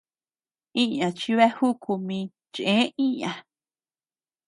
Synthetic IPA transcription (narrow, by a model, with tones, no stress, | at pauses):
ĩ˦ɲã˨t͡ʃi˧βe˦hu˦kʰu˧mĩ˧ | t͡ʃʔẽː˨˦ĩ˦ɲã˨